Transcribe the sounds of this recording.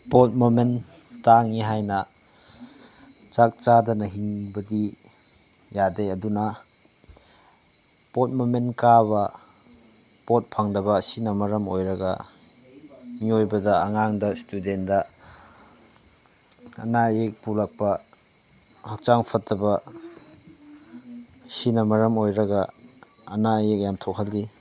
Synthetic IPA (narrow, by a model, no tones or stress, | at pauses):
pot̚momen | taŋiɦajnɐ | t͡ʃak̚t͡ʃadɐnɐɦiŋbɐdi | jadejɐdunɐ | pot̚momenkabɐ | pot̚pʰaŋdɐbɐːsinɐmɐɾɐmojɾɐɡɐ̰ | ŋiojbɐdɐːŋaŋdɐstudendɐ | ɐ̰najek̚pulɐk̚pɐ | hɐk̚t͡ʃaŋpʰɐtːɐbɐ | sinɐmɐɾɐmojɾɐɡɐ | ɐnajek̚jamtʰok̚hɐlɡi